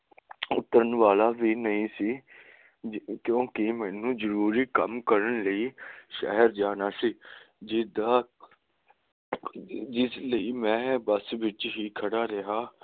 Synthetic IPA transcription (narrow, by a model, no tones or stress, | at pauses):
ʊt̪ːəɾənʋaːlaːʋiːnəĩːsiː | kjõːkɪmɛːnũːzəɾuːɾiːkə̰mkəɾənləiːʃɛ̰ɦəɾd͡ʒaːnaːsiː | d͡ʒɪd̪aː | d͡ʒɪsləiːmɛ̃ːbəsʋɪt͡ʃɦiːkʰəɽaːɾɪɦaː